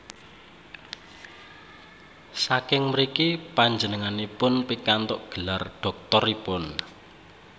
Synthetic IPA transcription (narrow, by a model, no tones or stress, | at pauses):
sakɪŋməɾikipaɲd͡ʒənəŋanipʊnpikant̪ʊʔɡ̥ə̤larɖ̥ɔ̤k̚t̪ɔripʊn